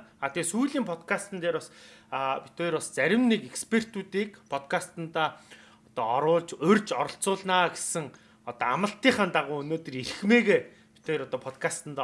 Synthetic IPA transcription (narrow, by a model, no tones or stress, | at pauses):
aːt̪ʰesuːɮiːmpʰɔt̪kʰast̪ə̆nt̪eːɾɔs | pi̥t̪eːjɾɔst͡sæɾʲɪ̆mnekekspʰer̥t̪uːt̪iːkpʰɔt̪kʰast̪ə̆nt̪aː | ɔt̪ɔɔɾʊːɮt͡ɕɵrʲt͡ɕɔɾɞ̆ɬt͡sʊːɮnaːɡe̥sɘ̆ŋ | ɔt̪ɔamə̆ɬt̪iːɴχant̪aʁʊːɵnoːt̪ɵ̆rirxmeːɣeː | pi̥t̪eːjɾɔt̪ɔːpʰɔt̪kʰast̪ə̆nt̪ː